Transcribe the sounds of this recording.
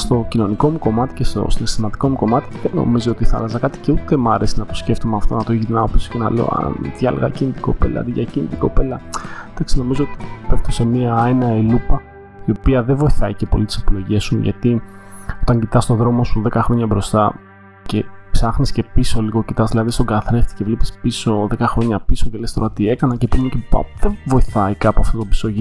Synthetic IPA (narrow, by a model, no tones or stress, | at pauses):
st̪o̞cino̞niko̞muko̞mɐt̪i̥cest̪o̞̰sinest̪imɐt̪i̥ko̞muko̞mɐt̪iðeno̞̰mizio̞t̪iθɐ̰lɐzɐkɐt̪i̥ceut̪e̞mɐɾe̞sinɐt̪o̞sce̞ft̪omeɐft̪o̞nɐt̪oʝiinɐopiso̥ce̞nɐ̰le̞o̰ɐ̰nt̪ʝɐ̰leɣɐcinit̪i̥ko̞pe̞̰lɐ̰t̪iʝɐcinit̪i̥ko̞pe̞lɐd̥̪ɐksino̞mizoot̪ipeft̪o̞se̞miɐenɐelupɐ | io̞piɐðevo̞iθɐice̞po̞lit̪i̥sepilo̞ʝiɐsuʝɐ̰t̪io̞t̪ɐɲɟit̪ɐst̪o̞ðɾo̞mo̞suðe̞kɐxɾo̞ɲɐbɾo̞st̪ɐ | ce̞psɐxnisce̞piso̞liɣo̞cit̪ɐzðilɐðist̪o̞ɡɐθɾeft̪i̥ce̞vlipi̥spiso̞ðe̞kɐxɾo̞ɲɐpiso̞ce̞lest̪o̞ɾɐt̪ie̞kɐnɐcepomencepɐ̰pðevo̞iθɐikɐpoɐft̪ot̪obi̥soʝi